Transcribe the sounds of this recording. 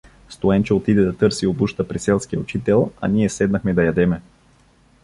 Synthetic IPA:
st̪oɛnt͡ʃɛot̪id̪ɛd̪ɐt̪ɤɾsiobuʃt̪əpɾisɛlˠskijəut͡ʃit̪ɛlˠɐ̰niɛsɛd̪nɐxmɛd̪ɐjɐd̪ɛmɛ

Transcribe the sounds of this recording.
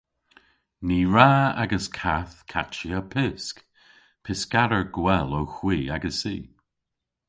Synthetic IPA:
niːɹaa̰ɡəskʰaθkʰa̰t͡ʃiəpʰɪsk | pʰɪskaɾəɹɡwɛlowxwiːaɡəsḭː

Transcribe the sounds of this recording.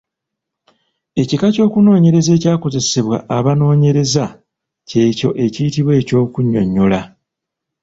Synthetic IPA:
e̞cikaco̞ːkuno̞ːɲe̞ɾe̞ze̞ːcaːko̞ze̞se̞βwa̰ʔːβano̞ːɲe̞ɾe̞za | ce̞ːco̞ʔe̞cijitiβwe̞ːco̞ːkuɲːo̞̰ɲːo̞la

